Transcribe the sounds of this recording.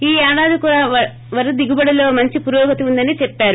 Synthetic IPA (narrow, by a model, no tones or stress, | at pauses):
iːaːɽaːd̪ikuːɽaːʋɐ | ʋɐɾud̪iɡubɐɽɐlo̞ːmɐɲt͡ʃipuɾɔːɡɐt̪iund̪ɐnit͡ʃɛpːaːɾu